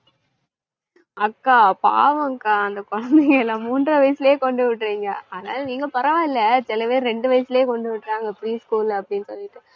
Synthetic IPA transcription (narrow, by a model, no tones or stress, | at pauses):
ɐkːaːpa̰ːʋɐŋkaːɐnd̪ɐkɔɻɐnd̪ɛŋɡɐɛlːaːmuːndrɐʋɐjɐsɪleːkɔɳɖɯʋɪʈːɾiːŋɡɐɐðɐna̰ːlɐniːŋɡɐpɐɾɐʋãːɪlːɐsɪlɐpeːɾɾɛɳɖɯʋɐjɐsɪleːkɔɳɖɯʋɪʈːɾaːŋɡɐpɾiːskuːlɐpːɐɽɪnːɯsɔlːɪʈːɯ